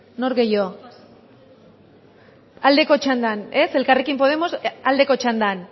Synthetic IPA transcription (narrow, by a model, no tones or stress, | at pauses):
no̞ɾɣe̞jo̞ | ald̪e̞ko̞t͡ʃand̪ane̞se̞lkare̞kimpo̞ð̞e̞mo̞sald̪e̞kot͡ʃand̪an